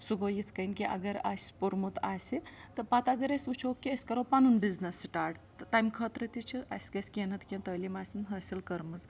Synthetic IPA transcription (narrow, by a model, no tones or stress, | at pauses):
suɡojit̪ʰkɐnkiʔɐ̰ɡɐɾa̰ːsʲpuɾmut̪aːsʲit̪ɐpaːt̪aɡɐɾesʲut͡ʃʰokːiɐsʲkɐɾowpanunbiznɐsʈaːɾɖt̪t̪aːjmkʰɐt̪ɾɐt̪it͡ʃʰiɐ̰sʲkɐsʲkʲenɐt̪ʰkʲent̪əːlimaːsʲinɦɐsʲilkɐɾmɐz